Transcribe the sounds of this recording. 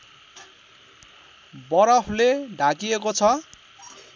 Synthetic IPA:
bʌɾʌpʰleɖʱakiekot͡sʰʌ

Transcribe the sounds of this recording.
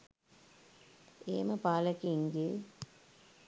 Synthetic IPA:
eːməpaːləkiŋɡe

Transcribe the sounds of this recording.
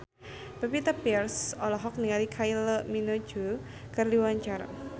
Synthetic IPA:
b̥apit̪apirsɔlɔɦɔk̚nialikʰajlɔminod͡ʒu | kərliwaɲt͡ʃaɾa̰

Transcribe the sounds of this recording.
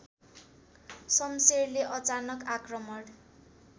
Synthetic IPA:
sʌmserleʔʌt͡sanʌkakrʌmʌɽ

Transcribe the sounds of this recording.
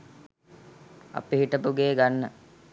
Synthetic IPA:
a̰piɦiʈəpuɡeːɡanːə

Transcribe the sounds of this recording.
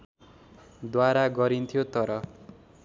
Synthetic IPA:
d̪waɾaɡʌɾint̪ʰijot̪ʌɾʌ

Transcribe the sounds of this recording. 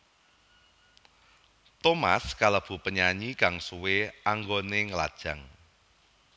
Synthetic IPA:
t̪oma̰skaləb̥ṳpəɲaɲikaŋsuweaŋɡoneŋəla̰d̥ʒ̥ä̤ŋ

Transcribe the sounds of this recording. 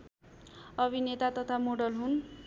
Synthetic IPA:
ʌbʱinet̪at̪ʌt̪ʰamoɽʌlɦun

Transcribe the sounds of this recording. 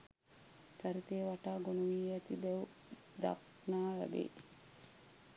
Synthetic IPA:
kɐɾit̪eːʋaʈaːɡonuʋiːɐt̪ibɛw | d̪a̰k | naːlɐ̰bḛː

